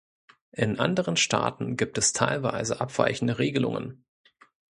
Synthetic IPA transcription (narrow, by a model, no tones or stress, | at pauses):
ʔɪnʔa̰ndəʁənʃtʰa̰ːtn̩ɡiːp̚tɛstʰaɪlvaɪzəʔapv̥a̰ɪçn̩dəʁeːɡəlʊ̰ŋə̰n